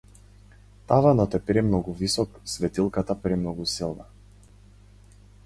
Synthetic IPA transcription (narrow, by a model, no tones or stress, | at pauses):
t̪avanɔt̪ɛpɾɛmnɔɡuvisɔksvɛt̪ilˠkat̪apɾɛmnɔɡusilˠna